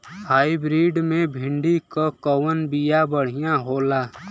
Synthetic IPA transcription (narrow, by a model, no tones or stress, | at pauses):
haːibɾiːɖmẽbʱɪ̃ɳɖikokəwənbijabəɽ̤ijãɦoːlaː